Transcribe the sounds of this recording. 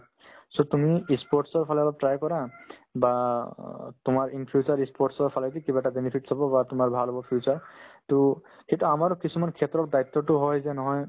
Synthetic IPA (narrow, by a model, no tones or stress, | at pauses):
sotumiispɔɹsɔɹpʰalalatɹajkɔɹaba | tʊmaɹinpʰjut͡ʃaɹispɔɹʈsɔɹpʰaladikibaɛtabenipʰitsʰabɔbatʊmaɹbʱalɦobɔpʰiut͡ʃaɹto | etuamaɹɔkisumankʰɛt̪ɾɔɹd̪ajt̪ːɔtʊɦɔjzɛnɔɦɔj